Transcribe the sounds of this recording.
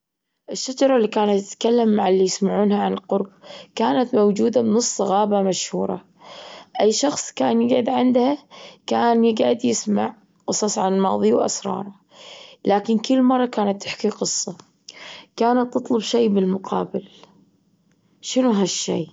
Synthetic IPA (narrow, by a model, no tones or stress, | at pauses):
ʔɪʃːad͡ʒɑɾˤɑlːikaːnat̪ːɪt̪kalːamːaʕalːijɪsmaʕuːnhaʕanɪlqʊɾˤb̚kaːnat̪mawd͡ʒuːd̪abnɨsˤːɑɣaːbamaʃhuːɾˤɑ̰ | ʔajːʃɑxsˤkaːnjɪɡʕɪd̪ʕɪnd̪hakaːnjɪɡʕɪd̪jɪsma̰ʕ | qɨsˤɑsˤʕanalmɑ̰ːðˤiwʔa̰sɾˤɑ̰ːɾˤɑ | laːkɪnkɪlːmɑrˤːɑkaːnat̪ːɪħkiqɨsˤːɑ | kaːnat̪ːɨt̪ˤlʊbʃeːbɪlmʊqʰɑ̰ːbɪl | ʃɪnuɦaʃːḛː